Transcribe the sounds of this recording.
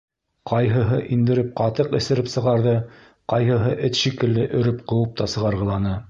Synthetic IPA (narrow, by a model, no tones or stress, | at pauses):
qɑjɦɤ̆ɦɤʔind̪ɘ̆ɾɘp̚qɑt̪ɤqɘ̆sɘ̆ɾɘpsɤ̆ʁɑɾðɤ | qɑjɦɤ̆ɦɤʔɘt̪ʃikɘ̆lːɘʔɵ̆ɾɘpqɤ̆wɤp̚t̪ɑsɤ̆ʁɑɾʁɤ̆lˠɑnɤ